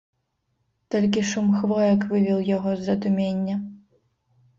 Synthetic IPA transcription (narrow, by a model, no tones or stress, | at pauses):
t̪ɔlʲkʲiʂumxvɔjɐkvɨvʲiwˠjaɣɔzːɐd̪umʲenʲːɐ